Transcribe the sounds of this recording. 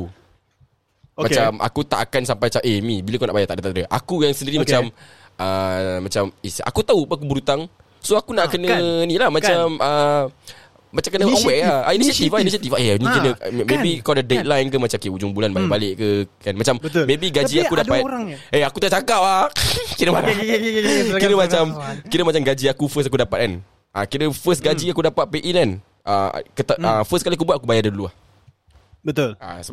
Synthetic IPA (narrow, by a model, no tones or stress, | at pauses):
mat͡ʃama̰kut̪a̰ʔkansampajat͡ʃaʔemĩbilakonaʔbajaʔt̪aʔdat̪adəʔa̰kujaŋsəndiɾimat͡ʃam | ʔəmat͡ʃamisa̰kut̪aupəak̬ubəɾut̪aŋ | soakunaʔkənənilahmãt͡ʃamə | mat͡ʃamkənəowɛʔaainisat̪ifainisat̪ifaʔenĩkinəmeikɔdədet̪̚lajnkəmat͡ʃamkeud͡ʒʊŋbulanbalɪʔbaleʔkəkanmat͡ʃaməmːebiɡad͡ʒiakudapat̪eakut̪aʔt͡ʃakap̚akinəma | kinəmat͡ʃamkinəmat͡ʃamɡad͡ʒiakufəs̬akudapat̪̚kan | ʔakinəfəsɡad͡ʒiakudapat̪̚peʔinan | a̰kət̪aəfəskaliak̬ubwat̪̚ʔ̚akubajadəluah | ət̪ola̰s